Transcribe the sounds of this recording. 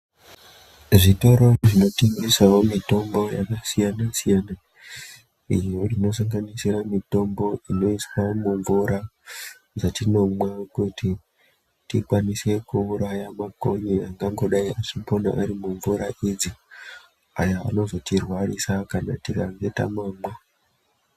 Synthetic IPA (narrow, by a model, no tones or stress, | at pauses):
ʐito̞ɾo̞ʐino̞tiŋɡisawomito̞mbo̞jakasijanasijana | ijo̞ino̞s̬aŋɡanisiramito̞mbo̞ino̞iswamuɱvuɾa | d͡zatino̞mwakuti | tikwanise̞kuːɾajamako̞ɲiaŋɡaŋɡo̞ɗaiʔaʂipona̰ʔaɾimuɱvuɾaʔid͡zi | aja̰ːno̞zo̞tirwarisakanatikaŋɡe̞ta̰maːmwa